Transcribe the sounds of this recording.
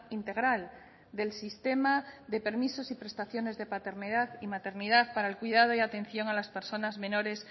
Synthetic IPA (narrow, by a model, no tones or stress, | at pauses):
int̪e̞ɣɾal | d̪e̞lsist̪e̞maðe̞pe̞ɾmisosipɾe̞st̪aθjo̞ne̞zðe̞pat̪e̞ɾnið̞aðimat̪e̞ɾnið̞aθpaɾaelkwiðað̞oiat̪e̞n̟θjo̞ŋalaspe̞ɾso̞nazmẽ̞no̞ɾe̞s